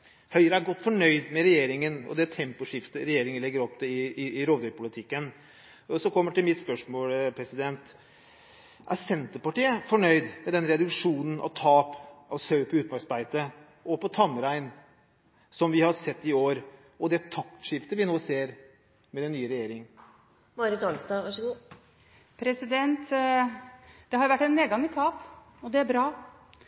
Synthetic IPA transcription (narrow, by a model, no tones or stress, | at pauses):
hœʏəɾəæɾɡɔt̪ːfɔɳœʏd̪mɛɾɛjeːɾɪŋənɔ̰d̪ɛt̪ʰɛmpʊʂɪft̪əɾɛjeːɾɪŋənlɛɡːəɾɔpd̪ɛɪɪːɾoːd̪œpʰʊlɪt̪ʰɪkːən | ɔsɔkʰɔmːəʈɪlmɪt̪spœʂmoːlpʰɾɛsɪd̪ɛnt̪ | ʔæsɛnt̪əɾpɑʈiːəfɔɳœʏd̪mɛd̪ɛnɾɛd̪ʉkʂuːnən̩ʔɑ̰ʋt̪ʰɑːpɑʋsœʉpʰɔʉːt̪mɑɾsbæɪt̪ə | ɔpɔt̪ʰɑmːɾæɪn | sɔmʋɪhɑɾsɛt̪ːɪoːɾ | ɔd̪ɛt̪ʰɑk̚t̪ʂɪpt̪əʋɪnoːseːɾ | mɛd̪ɛnːyːəɾɛjeːɾɪŋ | mɑɾɪt̪ɑnsd̪ɑːʋɑʂəɡuː | pʰɾɛsɪd̪ɛnt̪ | d̪̥ɛhɑɾjʊʋæʈːɛnmeːɡɑŋɪt̪ʰɑːp | ɔd̪ɛæɾbɾɑː